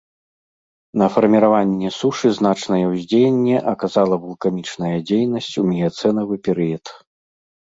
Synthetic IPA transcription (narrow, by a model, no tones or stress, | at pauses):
nɐfɐrmʲiɾavanʲːɛsuʂɨzn̪at͡ʂnɐjɛwzʲd͡zʲejenʲːɛʔɐkazalˠɐvulˠkamʲit͡ʂnɐjɐd͡zʲejnɐsʲt͡sʲumʲijat̪sɛnɐvɨpʲɛɾɨjɐt̪